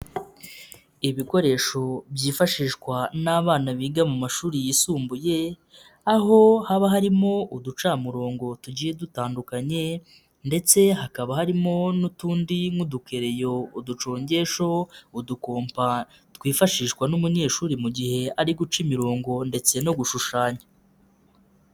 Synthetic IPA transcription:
iβiko̞ɾe̞ːʃo̞bjiːfaʃiːʃkwanaβaːnaβiːɡamumaʃuːɾijisuːmbuje̞ | aɦo̞haβaɦaɾimo̞ʔudut͡ʃamuɾo̞ːŋɡo̞tuɟiːje̞dutaːndukaɲe̞ | nde̞t͡se̞hakaβahaɾimo̞nutuːndiŋuduke̞ɾe̞jo̞udut͡ʃo̞ːɲɟe̞ʃo̞uduko̞ːmpa | twiːfaʃiːʃkwanumuɲe̞ːʃuːɾimuɟihe̞aɾiɡut͡ʃimiɾo̞ːŋɡo̞nde̞t͡se̞no̞ɡuʃuʃaːɲa

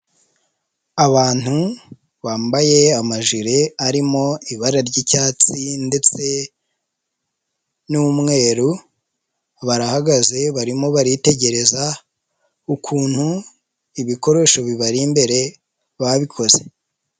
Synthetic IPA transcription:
aβaːn̥hu | βaːmbaje̞amaʒiɾeaɾimo̞iβaɾaɾɟicaːt͡sinde̞t͡se̞ | numŋe̞ːɾu | βaɾahaɡaze̞βaɾimo̞βaɾite̞ɟe̞ɾe̞za | ukʰuːn̥hu | iβiko̞ɾe̞ʃo̞βiβaɾimbe̞ɾe̞ | βaβikʰo̞z̥e̞̥

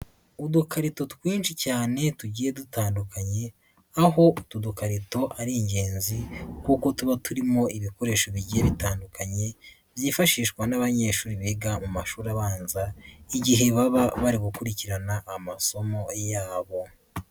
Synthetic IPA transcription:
udukʰaɾito̞twiːnʃicaːne̞tuɟiːje̞dutaːndukaɲe̞ | aɦo̞tudukaɾito̞ʔaɾiɲɟe̞ːnzikuːko̞tuβatuɾimo̞iβiko̞ɾe̞ːʃo̞βiɟijeβitaːndukaɲe̞ | βjiːfaʃiːʃkwanaβaɲe̞ːʃuːɾiβeɡamumaʃuːɾaβaːnzaiɟiɦe̞βaβaβaɾiɡukuɾiciɾanaʔːmaso̞mo̞jaːβo̞

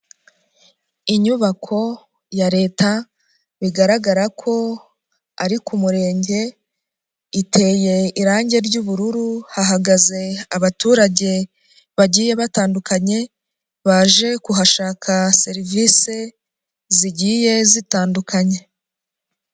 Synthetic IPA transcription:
iɲuβakʰo̞ | jaɾe̞ːta | βiɡaɾaɡaɾakʰo̞ | aɾikumuɾe̞ːɲɟe̞ | itʰe̞ːje̞iɾaːɲɟe̞ɾɟuβuɾuɾuhaɦaɡaze̞aβatuːɾaɟe̞ | βaɟiːje̞βataːndukaɲe̞ | βaʒe̞kuɦaʃaːkʰase̞ɾiviːse̞ | ziɟiːje̞zitaːndukʰaɲe̞

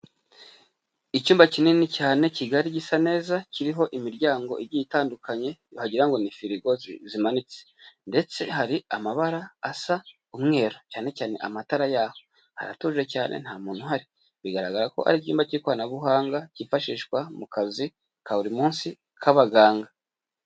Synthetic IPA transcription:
icuːmbacininicaːne̞ciɡaɾiɟisane̞ːzaciɾiɦo̞ʔimiɾɟaːŋɡo̞ʔiɾɟitaːndukʰaɲe̞ohaɟiɾaŋɡo̞nifiɾiɡo̞zzimanit͡sende̞t͡se̞haɾiamaβaɾaːsa | umŋe̞ːɾo̞caːne̞caːne̞̰ʔamataɾajaːho | ha̰ɾa̰tuʒe̞caːnʔḛn̥haːmuːnhuɦaɾi | βiɡaɾaɡaɾako̞̰ha̰ɾicuːmbaciɾikwanaβuɦaːŋɡacifaʃiːʃkwamukazi | kaβuɾimuːnsi | kʰaβaɡaːŋɡa

